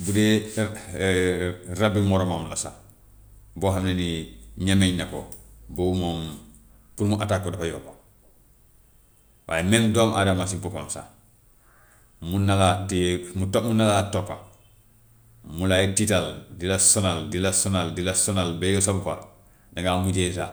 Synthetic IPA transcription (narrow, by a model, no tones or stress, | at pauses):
bude | rabimoɾomamlasa̰ | boːɦamneniɲameɲnako̰boumoːm | puɾmuʔatakːodokajoba | wʔa̰ːjemendoːmʔadamasipukomsa̰ | munalatimutomunalatopːa | mulajititaldilasonaldilasonaldilasonalbejosabufal | naŋɡamuɟes̬a